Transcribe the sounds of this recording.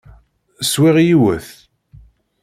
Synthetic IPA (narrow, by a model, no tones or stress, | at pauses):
swiʁjiwə̰θ